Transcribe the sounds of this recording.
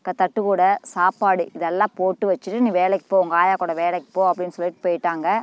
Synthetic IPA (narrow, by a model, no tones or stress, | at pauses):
ŋkɡɐt̪ɐʈːɯkuːɽɐsaːpaːɽiɪðɛlːãːpoːʈːɯʋɐt͡ʃːɯʈːɯnĩːʋeːlɛkːɪ̥pːoːʊŋɡɐaːjaːkoːɽɐʋeːlɛkːɯ̥pːoːɐpːɽɪnːɯsɔlːɪʈːɯpoːjɪʈːaːŋɡɐ